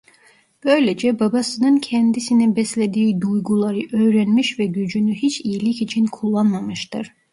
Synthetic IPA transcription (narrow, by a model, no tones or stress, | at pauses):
b̥ø̞jled͡ʒɛbabasɯnɯncʰɛnd̪isinibɛslʲed̪iːd̪ujɡulˠaɾɯʔø̞jɾænmiʃvɛɟyd͡ʒynyɦit͡ʃʰijilʲicit͡ʃʰinkʰulˠːanmamɯʃt̪ɯɾ̥